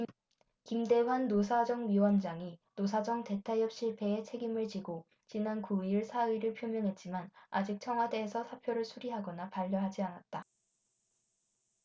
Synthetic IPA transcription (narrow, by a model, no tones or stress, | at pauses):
kimde̞wanːos̬ʰad͡ʑʌŋɥiwʌnd͡ʑaŋinos̬ʰad͡ʑʌŋte̞tʰajʌp̚ɕ͈iɭpʰe̞ːt͡ɕʰe̞ɡimɯɭt͡ɕiɡo | t͡ɕinankuiɭsʰaiɾɯɭpʰjomjʌŋɦe̞t̚t͡ɕ͈imana̰d͡ʑik̚t͡ɕʰʌŋɦwadeːsʰʌsʰapʰjoɾɯɭsʰuɾiɦaɡʌnapaʎːʌɦad͡ʑianat̚t͈a